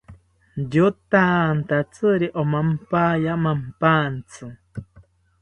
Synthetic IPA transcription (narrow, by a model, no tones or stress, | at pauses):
jut̪ant̪at͡sɨɾiʔomampaːjamampant͡sʰɨ